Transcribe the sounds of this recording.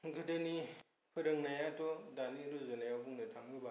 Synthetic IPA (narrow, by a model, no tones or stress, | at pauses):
ɡɯdɯni | pʰɯɾɐŋnajatɔdaliɾozɯnajawbuŋnɯtʰaŋɯba